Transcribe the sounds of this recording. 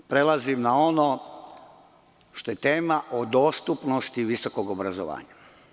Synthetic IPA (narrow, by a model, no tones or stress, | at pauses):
pɾe̞lazimnao̞no | ʃt̪o̞je̞t̪e̞ːmaʔod̪o̞ːst̪upno̞st̪iʋiso̞ko̞ɡobɾazo̰ʋa̰ːɲa